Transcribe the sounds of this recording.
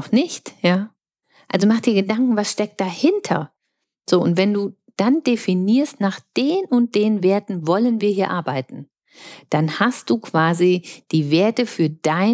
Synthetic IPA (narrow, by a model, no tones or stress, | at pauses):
nɪçtjaː | ʔalzomaχd̥iːɐɡədaŋkŋ̩vasʃtɛk̚t̚d̥ahɪntʰɐ̰ | z̥oːʊntv̥ɛnduː | d̥andefiniːɐstnaːχd̥eːnʊnt̚d̥eːənveːɐtn̩vɔlənviːɐhiːɐʔaɐbaɪtn̩ | d̥anast̚d̥uːkv̥aːzid̥iːveːɐtəfyːɐd̥aɪ